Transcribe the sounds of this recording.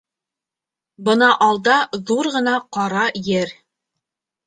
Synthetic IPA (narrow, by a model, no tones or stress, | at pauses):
bɤ̆nɑʔɑlˠd̪ɑðuɾʁɤ̆nɑqɑɾɑjɘɾ